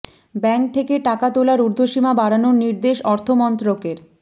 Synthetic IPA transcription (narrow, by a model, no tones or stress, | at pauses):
bɛŋk̚t̪ʰekeʈakat̪olaɾuɾd̪ʱoʃimabaɾanoɾniɾd̪eʃɔɾt̪ʰomɔnt̪ɾokeɾ